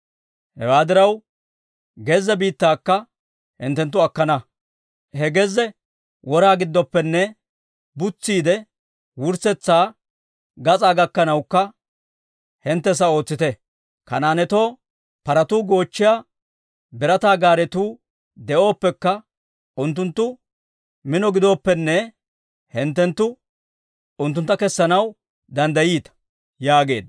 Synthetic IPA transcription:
hɛ̰waːd̪ɪɾɐw | ɡɛzɛbiːt̪ːaːkːɐ | hɪ̰nt̪ːɛnt̪ːʊɐkːɐnɐ | hɛɡɛzɛ | wʔɔɾaːɡɪd̪ːɔpːɛnːɛ | bʊt͡sːiːd̪ɛ | wʊɾsɛt͡sːaː | ɡɐt͡sʼaːɡɐkːɐnɐwkːɐ | hɪnt̪ːɛs̬ɐo̞ːt͡sːɪt̪ɛ | kɐnaːnɛt̪o̞ː | pɐɾɐt̪uːɡo̞ːt͡ʃːɪjaː | bɛɾɐt̪aːɡaːɾɛt̪uː | d̪ɛʔo̞ːpːɛkːɐ | ʊnt̪̬ːʊnt̪ːʊ | mɪnɔɡɪd̪o̞ːpːɛnːɛ | hɛnt̪ːɛnt̪ːʊ | ʊnt̪ːʊnt̪ːɐkɛsːɐnɐw | d̪ɐnd̪ɐjiːt̪ɐ̥ | jaːɡe̞ːd̪

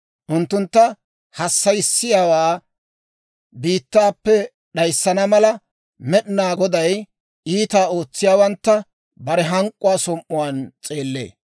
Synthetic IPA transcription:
ʔʊnt̪ːʊnt̪ːɐ | hɐsːɐjɪsːɪjaːwaː | biːt̪ːaːpːɛ | ɗɐjsːɐnɐmɐlɐ | mɛɗɪnaːɡɔd̪ɐj | iːt̪aːo̞ːt͡sːɪjaːwɐnt̪ːɐ | bɐɾɛɦɐŋkʼːʊwaːsɔmʔʊwaːnt͡sʼe̞ːlːe̞̰ː

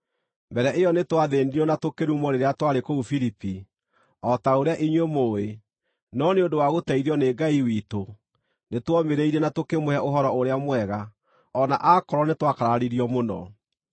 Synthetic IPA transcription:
mbɛɾɛʔeɔnetwaðeniɾɔnatokeɾumɔɾeɾeatwaɾekoufiɾipi | ɔtaoɾeaʔiɲwemoːe | nɔneondowaɣotaiɾeɔneɡaiwito | netwɔmeɾeiɾɛnatokemoɛʔoɦɔɾɔoɾeamwɛɣa | ɔna̰ʔakɔɾɔnetwakaɾaaɾiɾiɔmonɔ̰

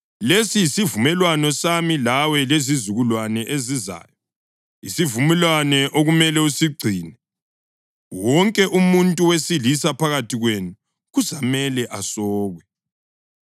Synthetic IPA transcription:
lesijisivumɛlwanɔsamilawɛlezizuɣulwanɛʔeziza̰ːjɔ | ḭsivumɛlwanɛʔoɣumɛlɛusiɡ͡ǀʱiːnɛ | wɔŋkʼɛʔumuntʼuwesilisapʰaɣatʰiɣwenu | ɣuzamɛlɛʔasɔːɣwɛ

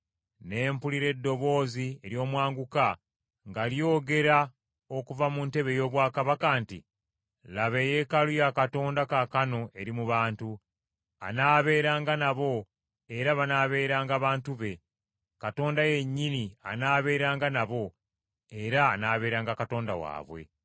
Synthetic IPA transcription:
ne̞ːmpuliɾe̞dːo̞βo̞ːzieɾjo̞ːmwaːŋɡuka | ŋɡaljo̞ːɡe̞ɾa | o̞kuvamunte̞βe̞jo̞ːβwaːkaβakantḭ | laβe̞je̞kalujakato̞ːndakakano̞ʔe̞ɾimuβaːntu | a̰naːβe̞ːɾaːŋɡanaβo̞ | e̞ɾaβanaːβe̞ːɾaːŋɡaβaːntuβe̞ | kato̞ːndaje̞ɲːinia̰naːβe̞ːɾaːŋɡanaβo̞ | eɾaːnaːβe̞ːɾaːŋɡakato̞ːnda̰wa̰ːβwe̞̰

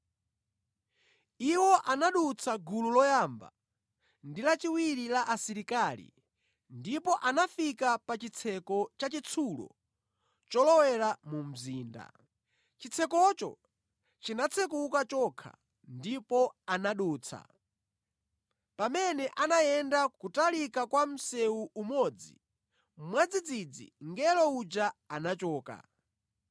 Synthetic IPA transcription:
iwɔʔanaɗut͡sʰaɡululɔjamba̰ | ndilat͡ʃiwiɾilaʔasiɾikaːlḭ | ndipɔʔanafikapat͡ʃit͡sʰɛkɔt͡ʃat͡ʃit͡sʰulɔ̰ | t͡ʃɔlɔwɛɾamum̩ziːnda̰ | t͡ʃit͡sʰɛkɔt͡ʃɔ̰ | t͡ʃinat͡sʰɛk̬ukat͡ʃɔkʰa̰ | ndipɔanaɗuːt͡sʰa̰ | pamɛnɛʔanajɛndakutalikakwam̩sɛuʔumɔd͡zḭ | mwad͡zid͡zid͡zḭŋɡɛlɔud͡ʒaanat͡ʃɔːka̰

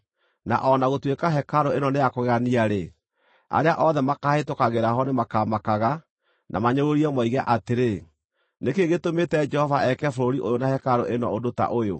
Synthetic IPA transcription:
na̰ʔɔnaɣotwekaɦɛkaɾoenɔnejakoɣaniaɾe | a̰ɾeaʔɔðɛmakaːhetokaɣeɾaɦɔnemakaːmakaɣa | nʔa̰maɲoɾoɾiɛmɔiɣɛʔateɾe | nekeɣetometɛd͡ʒɛhɔvaʔɛkɛfoɾoɾiʔojonahɛkaɾoʔenɔodota̰ʔojo̰

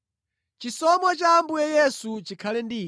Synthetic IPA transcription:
t͡ʃisɔmɔt͡ʃaːmbujɛjɛsut͡ʃikʰalɛndiː

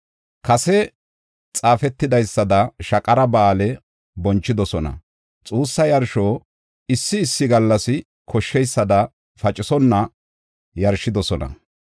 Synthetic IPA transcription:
kɐsɛ | t͡sʼaːfɛt̪ːɪd̪ɐjsːɐd̪ɐʃɐkʼɐɾɐbaːlɛ | bɔnt͡ʃːɪd̪ɔsɔnɐ̰ | t͡sʼuːsːɐjɐɾʃoː | ɪsːɪːsːɪɡɐlːɐsɪ | kʰɔʃːɛjsːɐd̪ɐ | fɐt͡ʃʼːɪsɔnːɐ | jɐɾʃɪd̪ɔsɔnɐ̰

